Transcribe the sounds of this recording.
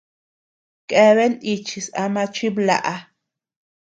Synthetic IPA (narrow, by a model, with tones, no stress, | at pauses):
kʼe˧βe˦ni˧t͡ʃi˧sa˧ma˧t͡ʃi˦bla̰˧˨ʔa˧